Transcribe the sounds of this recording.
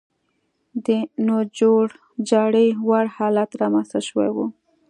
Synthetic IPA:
d̪ənod͡ʒoɽ | d͡ʒɑɽəjwaɽhɑlat̪ɾɑmanst̪aʃwḛwu

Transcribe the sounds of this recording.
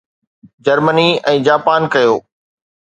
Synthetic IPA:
d͡ʑɐɾməniɛ̃ːd͡ʑaːpaːnkɐjoː

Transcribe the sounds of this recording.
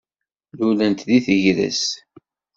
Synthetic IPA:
lulænt̪ðiθəʝɾə̰s

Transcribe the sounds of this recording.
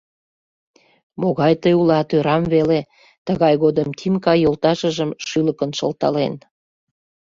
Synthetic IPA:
moɣɑjt̪əjulɑt̪øɾɑmvele | t̪əɣɑjɣod̪əmt̪ʰimkɑjːolt̪ɑʃəʒəmʃyləkənʃəlt̪ɑ̰len

